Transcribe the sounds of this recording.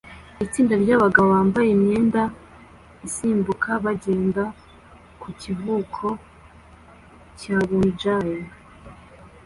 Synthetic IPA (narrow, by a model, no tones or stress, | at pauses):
it͡siːndaɾɟaβaɡaβoβaːmbajemɲeːnda | isiːmbukʰaβaɟeːnda | kucivuːkʰo̞ | caːβund͡ʒaje